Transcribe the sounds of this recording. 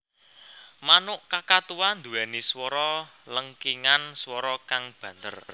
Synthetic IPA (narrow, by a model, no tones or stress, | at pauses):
manʊʔkakat̪uwand̪uwɛniswɔɾɔləŋkiŋanswɔɾɔkaŋb̥ä̤nd̪ə̰r